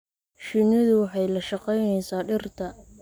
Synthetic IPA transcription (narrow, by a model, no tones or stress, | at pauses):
ʃɪnɪðʊwɑħɑjlɐʃɑqɛjnɛjsaːɖɪrt̪ʰɐ